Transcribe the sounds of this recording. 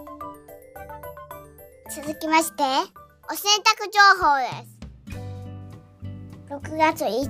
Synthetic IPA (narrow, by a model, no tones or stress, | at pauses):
t͡sɨzɨkʲimaɕi̥t̪e̞ | o̞sẽ̞nt̪akɯ̟ʑo̞ːɦo̞ːd̪e̞̰sɨ̥ | ɾo̞kɯ̟ɡat͡sɨi